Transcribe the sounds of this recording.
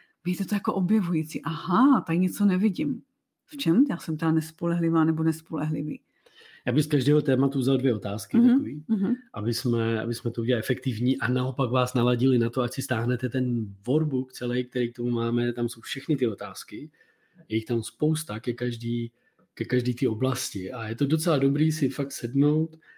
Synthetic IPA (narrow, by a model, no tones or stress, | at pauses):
viːt̪ɛt̪ojakoʔobjɛvujit͡siʔahat̪aɲɛt͡sonɛvɪɟɪm | ft͡ʃɛmjaːsɛmt̪ɛanɛspolɛɦlɪvaːnɛbonɛspolɛɦlɪvḭː | jaːbɪxskaʒdɛːɦo̞t̪ɛːmat̪uzaldvjɛo̞t̪aːskɪt̪aoviːɦʔabɪsmɛʔa̰bɪsmɛt̪ouɟɛaɛfɛk̚t̪ɪvɲiːʔanao̞paɡvaːsnalaɟɪlɪnat̪o̞acsɪst̪aːɦnɛt̪ɛt̪ɛnvo̞ɾbuk̚t͡sɛlɛjk̚t̪ɛɾiːk̚t̪o̞mumaːmɛt̪amso̞wfʃɛxnɪt̪ɪo̞t̪aːskɪ | jɛjɪxt̪amspo̞wst̪akɛkaʒdiː | kɛkaʒdiːt̪io̞blascɪʔajɛt̪o̞dot͡sɛlado̞bɾiːsɪfak̚t̪sɛdno̞wt̪